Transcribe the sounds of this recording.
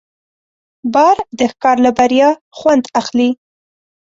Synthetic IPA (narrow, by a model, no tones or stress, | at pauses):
bɑɾd̪əhkɑɾlabaɾjɑ | xwand̪axli